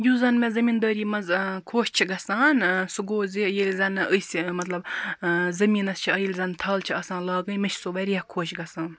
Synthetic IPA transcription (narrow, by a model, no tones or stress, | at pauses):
juzɐnmezɐmind̪ɐːɾiːmɐzkʰoːʃt͡ʃʰiɡɐsaːnsuɡoːzijelʲzɐnʔəjsʲimɐt̪lɐb | zɐmiːnɐst͡ʃʰiɐjilʲzɐnt̪ʰɐːlt͡ʃʰiɐːsãːnlaːɡənmeʃʰsuʋɐɾʲijɐhkʰoːʃɡɐsaːn